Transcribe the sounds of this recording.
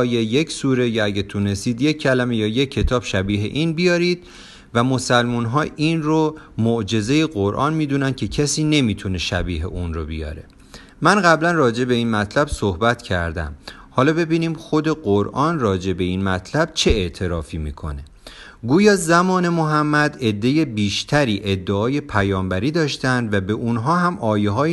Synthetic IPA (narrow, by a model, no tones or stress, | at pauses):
ɒːjeje̞cʰsuːɾe̞jɒæɟet̪ʰune̞st̪iːd̪jecʰːælæmejɒːje̞cʰːe̞t̪ʰɒːb̥ʃæbiːɦḛʔiːnbijɒːɾiːd̪̥̚ | væmo̞sælmuːnɦɒːʔinromoʔd͡ʒe̞ze̞jeɢoɾʔɒ̰ːnmiːd̪uːnænd̪̚cʰe̞cʰæsiːne̞miːt̪ʰuneʃæbiːɦḛʔunrobijɒ̰ːɾe | mænɢæblænrɒːd͡ʒe̞be̞iːnmæt̪ʰlæb̥sohbæt̪ʰcʰæ̰ɾd̪æ̰mhɒːlɒːbe̞biːniːmxo̞d̪e̞ɢoɾʔɒːnrɒːd͡ʒe̞be̞iːnmæt̪ʰlæb̥̚t͡ʃʰe̞eʔt̪ʰe̞ɾɒːfiːmḭːkʰo̞̰ne̞ | ɡuːjɒːzæmɒːne̞moɦæmːæd̪e̞d̪ːe̞je̞biːʃt̪ʰæɾiːʔe̞d̪ːeɒːje̞pʰæjɒːmbæɾiːd̪ɒːʃt̪ænd̪væbe̞ʔunɦɒːɦæmʔɒːjeɦɒː